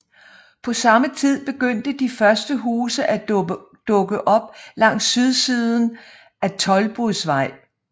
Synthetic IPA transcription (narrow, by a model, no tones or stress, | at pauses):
pʰɒ̽sɑ̈mət͡sʰið̰ˠb̥e̝ɡ̥øn̰d̥əd̥ifɶɐsd̥əɦuːsəʔæ | d̥ɔ̽ɡ̥əʔɒ̽b̥lɑ̈ŋ̰sːyðˠsiːð̞ˠn̩ | ʔæt͡sʰɒ̽lb̥ʁuðˠsʋɑ̈ɪ̰